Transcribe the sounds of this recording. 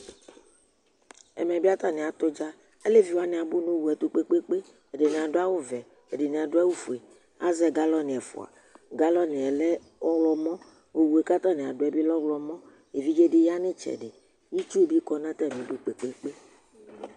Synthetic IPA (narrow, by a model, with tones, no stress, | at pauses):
ɛ̰˨mɛ˨bi˦a˦t̪a˦˨nẽ˨a˨t̪o˦d͡ʒa˦ | e˦le˦vi˨wa˦nẽ˨a˨bu˦nũ˦wu˨ɛ˨t̪o˦k͡pe˦k͡pe˦k͡pe˦ | e˨de˨nẽ˨a˨do˦a˦wo˦vɛ˨ | e˨de˨nẽ˨a˨ɖo˦ɛ˦wu˦fu˨e˨ | a̰˦zɛ˦ɡa˦lɔ˦nĩ˨ɛ˨fo̰˨a̰˨ | ɡa˦lɔ˦ne˨ɛ˨lɛ˦ | ɔ˦wlɔ˦mɔ̃˦ | wo˦wu˨e˨ka˦t̪ã˦˨nẽ˨a˨ɖo˨˦ɛ˨bi˦lɔ˦wlɔ˨mɔ̃˦ | e˨vi˦d͡ʒe˦ɖe˦ja˦nẽ˦t͡ʃɛ̰˨ɖe˨ | ji˦t͡ʃu˦bi˦kɔ˦nã˦t̪ɛ˦˨mẽ˨do˦k͡pe˨˦k͡pe˦k͡pe˦